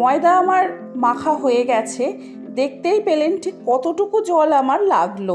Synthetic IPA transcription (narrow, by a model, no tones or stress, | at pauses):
mɔed̪aamaɾ | makʰaɦoeɡɛt͡ɕʰe | d̪ek̚ʰt̪ejpelenʈʰikːɔt̪oʈukud͡ʑɔlamaɾlaɡlo